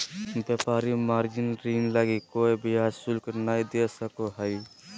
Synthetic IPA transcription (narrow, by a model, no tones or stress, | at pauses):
bjəpaːɾimaːɾd͡ʒinɾinlaɡikoːibiaːd͡ʒsulknaid̪esəkoɦəi